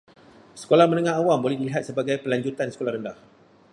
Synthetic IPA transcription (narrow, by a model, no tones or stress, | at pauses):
sə̥kolahmə̃nə̃ŋãɦawambolɛhdiliɦat̪səbaɡajpəlaɲd͡ʒut̪ansəkolahɾəndah